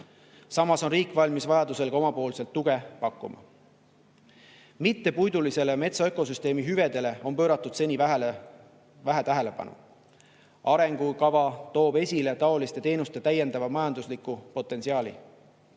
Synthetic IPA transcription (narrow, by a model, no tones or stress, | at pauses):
sɑmɑso̞nriːkˑvɑlʲmisvɑjɑd̪use̞lɡ̥ɑo̞mɑpo̞ːlse̞lt̪ːuɡ̥e̞pɑkːˑumɑ̰ | mit̪ːe̞pujd̪ulise̞le̞me̞t̪sɑeko̞s̬yst̪eːmiɦyve̞d̪e̞le̞o̞npø̞ːɾɑt̪ːˑud̪̥se̞nʲiv | væɦæt̪æɦele̞pɑ̰nṵ | ɑɾe̞ŋɡ̥ukɑvɑt̪o̞ːbe̞sʲile̞t̪ɑo̞list̪e̞t̪e̞ːnust̪e̞t̪æje̞nd̪ɑvɑmɑjɑnd̪uslikupo̞t̪ːˑe̞nsiɑːlʲḭ